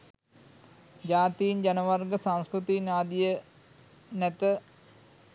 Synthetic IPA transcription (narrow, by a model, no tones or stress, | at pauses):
d͡ʒaːt̪iːnd͡ʒɐnəʋɐrɡəsãŋskɾut̪iːnaːd̪ijə | nɛt̪ə